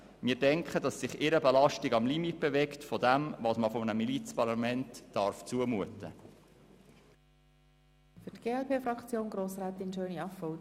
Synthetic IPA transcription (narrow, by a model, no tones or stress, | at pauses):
mɪːdɛŋkχədɑsːɪχɪɾəbelɑʃtiɡɑmlimit̚b̥evɛktfɔdɛmvɑːsməfɔmənəmilit͡spɑɾlɑmɛntːɑɾft͡suəmuətə | fytɡ̥eːɛlpʰeːfrɑkt͡sjoːnɡɾoːsræːt̪ɪnʃøːniɑfɔʊ